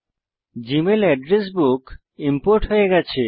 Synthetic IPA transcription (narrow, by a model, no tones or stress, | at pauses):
d͡ʑimelɛɖɾes̬buk | impoɾʈɦoeɡɛt͡ɕʰe